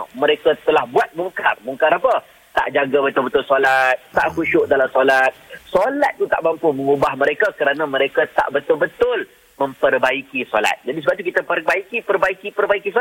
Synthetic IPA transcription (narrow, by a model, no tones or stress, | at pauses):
mə̃ɾekat̪əlahbuat̪̚muŋkarmuŋkaɾapə | t̪a̰ʔd͡ʒaɡabət̪ʊlbət̪ʊlsolat̪̚t̪a̰ʔkuʃʊʔdalamsolat̪̚solat̪̚ːut̪a̰ʔbampʊmə̃ŋubahmə̃ɾekakəɾanãmə̃ɾekat̪a̰ʔbət̪ʊlbət̪ʊl | mə̃mpərbaikisola̰t̪̚d͡ʒadisəbap̚t̪ukit̪əpərbaikipərbaikipərbaikiso